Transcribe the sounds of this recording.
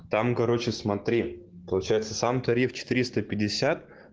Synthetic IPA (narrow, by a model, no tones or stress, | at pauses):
t̪amkɐɾo̞t͡ɕɪsmɐt̪ɾʲipəlˠʊt͡ɕæjɪt̪səsamt̪ɐɾʲift͡ɕɪ̥t̪ɨɾʲist̪əpʲɪdʲɪsʲat̪